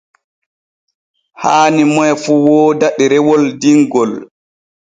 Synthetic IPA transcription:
haːnimɔjfuwɔːdaɗɛɾɛwɔldiŋɡɔl

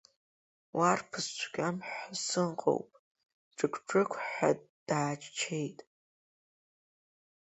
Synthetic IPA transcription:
wʔarpʰɨst͡ʃʷʰɡʲamħasɨɴqʼo̰wpʼ | ʈ͡ʂʼɨkʷʰʈ͡ʂʰʼɨkʷʰħa̰d̥aːt͡ʃʰʼt͡ʃʰe̞jtʼ

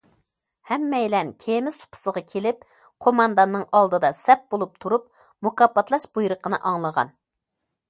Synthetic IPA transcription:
hɛmːɛjlɛnkʲʰemɪzt̪ʰʊ̥pʰʊ̥səʁɑkʲʰelɪp | qʰomɑnd̪ɑnːɨŋɑlˠd̪ɨd̪ɑsɛp̚bolˠup̚t̪ʰuɾup̚ | mukɑpːɑt̪ʰlˠɑʃbujɾəqənɨʔɑŋlˠəʁɑ̰n

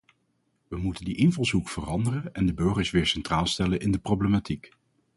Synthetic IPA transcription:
ʋəmutəndiʔɪnvɑlˠsukfərɑndərənɛndəbɵɹχəɹsʋɪːɹsɛntraːlˠstɛlənʔɪndəproblematik

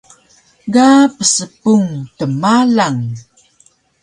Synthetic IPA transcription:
ɡapəsəpuŋtəmalaŋ

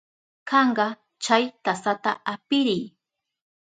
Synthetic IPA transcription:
kɑɴɢɑ | t͡ʃajt̪asat̪aʔapɪɾɪj

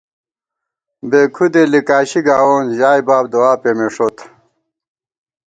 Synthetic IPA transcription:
beːkʰud̪elikaːɕiɡaːwoːnʑaːjbaːb̚d̪owaːpemeʂot̪

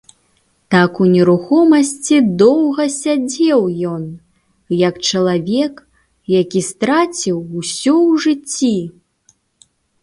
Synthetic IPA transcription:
t̪akunʲɛɾuxɔmɐsʲt͡sʲid̪ɔwɣɐsʲad͡zʲɛwjɔn | jɐkt͡ʂɐlˠavʲɛk | jakʲist̪ɾat͡sʲiwːsʲɔwʐɨt͡sʲːi

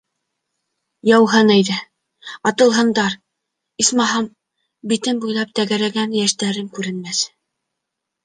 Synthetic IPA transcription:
jɑwɦɤnæjðɘ | ɑt̪ɤ̆lˠɦɤ̆nd̪ɑɾ | ismɑɦɑm | bit̪ɘmbujlˠɑp̚t̪æɡæɾæɡænjæʃt̪æɾɘmkʉɾɘ̆nmæs

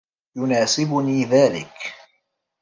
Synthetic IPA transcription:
jʊnaːsɪbʊniːðaːlɪ̰k

